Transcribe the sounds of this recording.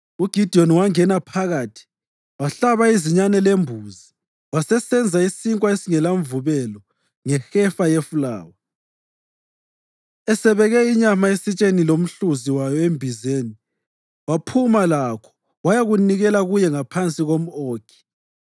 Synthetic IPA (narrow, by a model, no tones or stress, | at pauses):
uɡ̥ʱid̥ʱiɔnwaŋɛnapʰaɣatʰi̥ | waɬaβaiziɲanɛlembʱuzi | wasɛsɛnd͡zʱaisiŋkʼwaesiŋɛlaɱvuβɛlɔ | ŋɛxɛfajefula̰ːwa | ɛsɛβɛɣɛiɲamaesit͡ʃʼenilom̩ɬuziwajɔembʱizeːni | wapʰumalakʰɔ̥ | wajaɣuniɣɛlaɣujɛŋapʰant͡sʼiɣom̩oːkʰi̥